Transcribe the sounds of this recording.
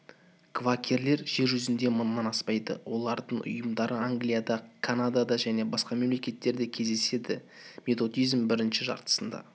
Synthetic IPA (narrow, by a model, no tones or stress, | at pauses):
kʰvakʲʰeɾle̞ɾʒe̞ɾʒʏzɪnd̪e̞mənmɑnɑspɑjd̪ə̰wʔo̞lˠɑɾd̪əɴʔʊ̰jəmd̪ɑɾəaŋɡlijad̪ɑkʰanad̪ad̪ɑʒæne̞bɑsqɑme̞mle̞kʲe̞t̪ːe̞ɾd̪ekʲʰe̞zd̪e̞se̞d̪ɪ | mʲe̞t̪o̞d̪ijzmbɪɾɪnʃɪʒɑ̰ɾt̪ə̥sənd̪ɑ̰